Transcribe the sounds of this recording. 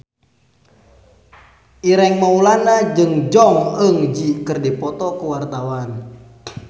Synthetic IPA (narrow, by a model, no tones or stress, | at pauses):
ʔiɾɛŋmaulanad͡ʒɨŋd͡ʒɔŋəŋd͡ʒikərdɛpɔt̪ɔkuwart̪awan